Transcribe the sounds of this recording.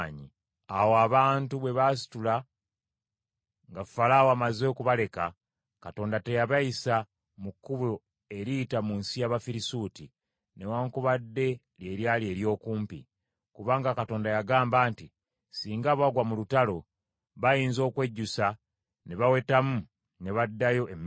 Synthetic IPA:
ɲḭ | awoaβaːntuβwe̞βasi̥tula | ŋɡafalaːwoamazo̞ːkuβale̞ka | kato̞ːndate̞jaβajisa | mukːuβo | e̞ɾiːtamunsijaβafiɾisuːti | ne̞waːŋkuβadːe̞ | lje̞ɾjalie̞ːɾjo̞ːkuːmpḭ | kuβaːŋɡakato̞ːndajaɡaːmbaːnti | siːŋɡaβaɡwamulutalo̞ | βajiːnzo̞ːkwe̞ɟːusa | ne̞βawe̞tamu | ne̞βadːajo̞em

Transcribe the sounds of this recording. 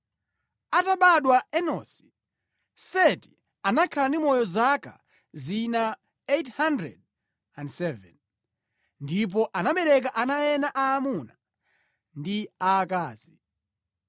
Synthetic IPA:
ataɓaɗwaɛnɔ̰si̥ | sɛti̥ | anakʰalandimɔjɔzaka̰ | zina | ethandɾɛ̰d̚ | andsɛvɛ̰n | ndip̬ɔʔanaɓɛɾɛk̬aʔanajɛnaʔaːmuna | ndiaːkaːzi

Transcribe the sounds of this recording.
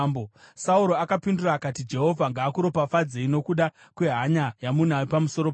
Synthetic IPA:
bosauɾo̞akapinduraːkatid͡ʒe̞ɦo̞vʱaŋɡaːkuɾo̞pafad͡zeino̞kuɗa | kwe̞ɦaɲajamun̤aipamuso̞ɾop

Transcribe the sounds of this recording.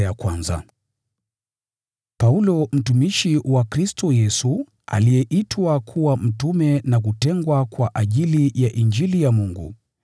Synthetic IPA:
jakwanza̰ | paulɔm̩tumiʃiwakɾistɔjɛsu | a̰lijɛʔitwakʰuwam̩tumɛnak̬utɛŋɡwakwaʔaʄilijaʔind͡ʒilijamuŋɡṵ

